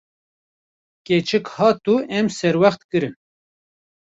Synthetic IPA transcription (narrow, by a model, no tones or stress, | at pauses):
ket͡ʃʰɨkhɑːt̪uʔɛmsɛɾwæxt̪kɨɾɨn